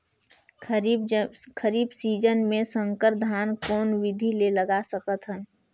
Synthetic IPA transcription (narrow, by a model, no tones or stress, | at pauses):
kʰəɾiːbsiːd͡ʒənmẽsə̃ŋkəɾd̪ʱaːnkɔːnwɪd̪ʱileləɡasəkət̪ɦən